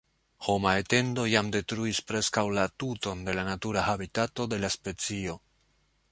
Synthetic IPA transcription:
ho̞mae̞te̞ndo̞jamde̞tɾuispɾe̞skawlatuto̞nde̞lanatuɾahabitato̞de̞laspe̞t͡sio̞

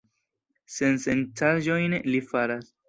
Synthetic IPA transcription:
se̞nsentʰaʒo̞jnlifaɾas

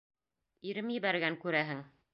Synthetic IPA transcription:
iɾɘmjɘ̆βæɾɡæŋkʉɾæɦɘŋ

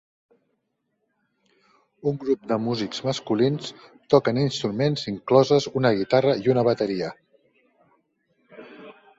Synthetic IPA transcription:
uŋɡɾup̚d̪əmuzikz̥məskulinst̪ɔkəninst̪ɾumenziŋklɔzəzunəɣit̪arəiunəβ̞ət̪əɾiə

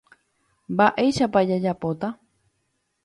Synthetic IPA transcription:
mbaʔe̞jʃapad͡ʒad͡ʒapot̪a

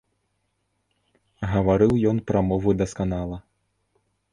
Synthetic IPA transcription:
ɣɐvaɾɨwjɔnpɾɐmɔvud̪ɐskanalˠɐ

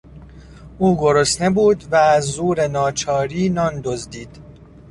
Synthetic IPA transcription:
ʔuːɡo̞ɾosne̞buːd̪væːzːuːɾe̞nɒːt͡ʃʰɒːɾiːnɒːnd̪ozd̪iːd̪̥

